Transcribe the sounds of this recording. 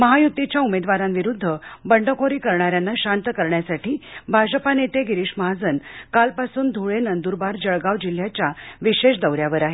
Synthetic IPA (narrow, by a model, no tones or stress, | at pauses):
məɦajut̪ːit͡ɕjaumed̪ʋaɾamʋiɾud̪ʱːəbəɳɖəkoɾiːkəɾɳaɾjanːaɕant̪əkəɾɳjasaʈiːbʱad͡ʑəpanet̪eɡiɾiɕməɦad͡zənkalpasuːnd̪ʱoɭenənd̪uɾbaɾd͡ʑəɭɡaʋd͡ʑil̤ːjat͡ɕjaʋiɕeɕd̪əwɾjaʋəɾaɦe